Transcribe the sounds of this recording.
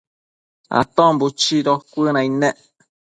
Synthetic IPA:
a̰t̪ɔ̃mbut͡ʃiɾɔkʷənãinɛʔ

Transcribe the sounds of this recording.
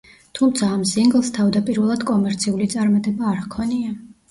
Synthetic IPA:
t̪ʰumt̪sʰaːmsiŋɡlˠst̪ʰavd̪apʼiɾvɛlˠad̪̥kʼɔmɛɾt̪sʰiulit̪sʼaɾmat̪ʼɛbaːɾkʰɔnia

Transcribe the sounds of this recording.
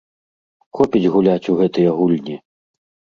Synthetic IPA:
xɔpʲid͡zʲɣulʲat͡sʲuɣɛt̪ɨjɐɣulʲnʲi

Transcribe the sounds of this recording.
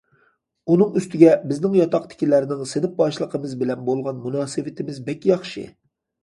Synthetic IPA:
unɨŋyst̪ʰɪɡʲɛbɪznɪŋjɑt̪ʰɑqt̪ʰɪ̥kʲilæɾnɪŋsenɪp̚bɑʃlˠəqʰəmɨzbɪlɛnbolˠʁɑnmunɑːsɨvɪt̪ʰɪmɪzbɛkʲːjɑχʃɨ̰

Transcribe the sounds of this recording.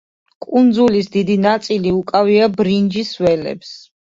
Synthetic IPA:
kʼund̪zulisd̪id̪inat̪sʼiliukʼaviabɾind͡ʒisvɛlɛ̰ps

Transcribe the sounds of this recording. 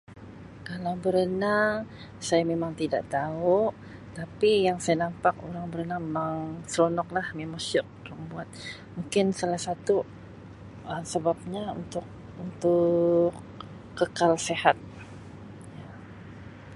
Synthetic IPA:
kalawbəɾənaŋ | sajamemaŋt̪ida̰ʔt̪au | t̪apijaŋsajanampak̚o̰ɾaŋbəɾənaŋmemaŋsɾonɔk̚lahmemasʊk̚ɾaŋbuat̪̚ | muŋkɪnsalahsat̪u | əsəbap̚ɲaṵnt̪ʊk̚ | unt̪ʊkː | əkalsehat̪̚ | ja

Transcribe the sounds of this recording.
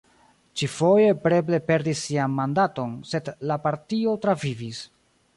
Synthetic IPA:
t͡ʃifo̞je̞pɾe̞ble̞pe̞ɾdisːianmandato̞nse̞dlapaɾtio̞tɾavivis

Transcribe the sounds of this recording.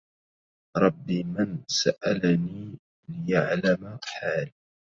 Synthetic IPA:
ɾˤɑbːiːmansaʔalaniː | lɪjaʕlamaħaːl

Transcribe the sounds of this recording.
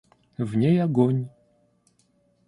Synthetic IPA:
vnʲejaɡɔnʲ

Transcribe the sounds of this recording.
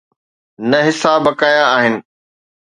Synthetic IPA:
nɐɦɪsabɐkaːjaːɦɪnɪ̆

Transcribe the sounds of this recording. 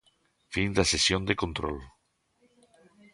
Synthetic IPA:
find̪asesjond̪ekõnt̪ɾo̰l

